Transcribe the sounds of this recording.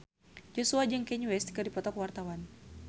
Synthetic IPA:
d͡ʒɔsuad͡ʒəŋkɛɲuwɛst̪kadipɔt̪ɔkwart̪awan

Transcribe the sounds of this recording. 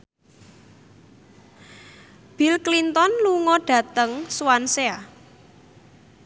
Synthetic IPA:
b̥ilklint̪ɔnluŋɔɖ̥ä̤t̪əŋswansea

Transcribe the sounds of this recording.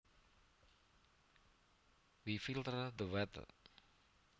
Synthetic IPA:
wifilt̪ərd̪əwɛt̪ə̰

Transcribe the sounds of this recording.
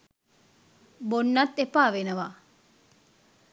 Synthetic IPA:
bonːɐt̪ːepaːʋenəʋa

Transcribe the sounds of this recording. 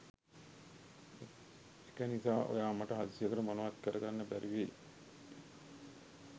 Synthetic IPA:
ekænisaːʔo̰jaːmɐʈəɦad̪isijəkuʈəmonoʋat̪kəɾəɡanːəbæɾiʋe

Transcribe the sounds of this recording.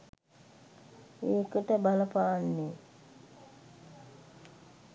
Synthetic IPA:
eːkəʈəbaləpaʋanːe

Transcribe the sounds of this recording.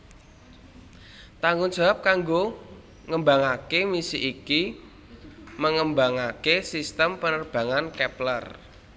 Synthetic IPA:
t̪aŋɡʊŋd͡ʒ̥a̤ap̚kaŋɡo | ŋəmbaŋakemisiʔiki | məŋəmbaŋakesist̪əmpənərb̥ä̤ŋankɛplər

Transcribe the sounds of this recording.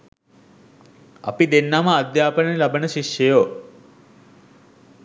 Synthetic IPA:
ɐ̰pid̪enːaməad̪jaːpənelabənəʃiʃjejo

